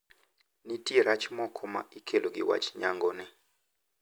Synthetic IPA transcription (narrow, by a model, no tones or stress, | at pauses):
nitʼiɾat͡ʃʰimɔkʰɔma̰ikʰelɔk̬ʼḭwa̰t͡ʃʰi̥ɲaŋɡɔnɛ